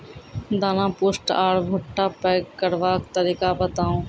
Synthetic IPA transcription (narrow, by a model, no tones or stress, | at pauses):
d̪aːnãːpoːsʈaːɽbʱʊʈːaːpɛːkkːəɾʋaːkt̪əɾiːkaːbət̪aːũː